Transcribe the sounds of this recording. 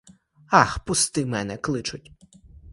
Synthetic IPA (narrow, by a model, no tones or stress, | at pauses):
ɑxpʊst̪ɪmɛnɛklˠɪt͡ʃʊtʲ